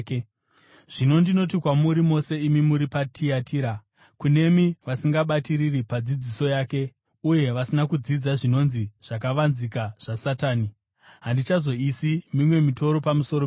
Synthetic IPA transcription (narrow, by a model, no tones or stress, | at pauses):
ke | ʐ̥ino̞ndino̞t̬ikwamuɾimo̞se̞imimuɾipatʰiatʰiːɾa | kune̞miʋasiŋɡaɓatiriripad͡zid͡ziso̞jaːke̞ | uje̞ʋasinakud͡zid͡zaʐino̞nziʐ̥akaʋanzikaʐ̥asataːni | ɦandit͡ʃazo̞isimimwe̞mito̞ɾo̞pamuso̞ɾo